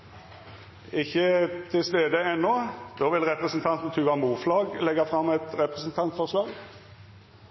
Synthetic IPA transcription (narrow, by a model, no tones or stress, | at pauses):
ɪçːət̪ʰɪlst̪eːd̪əɛnːɔd̪oːʋɪlʁɛpʁəsn̩t̪ʰɑnt̪n̩t̪ʰʉːʋɑnbuːflɑːɡlɛɡɑfʁɑmːɛt̪ʁɛpʁɛsnt̪ʰɑnt̪fɔʁʂlɑːɡ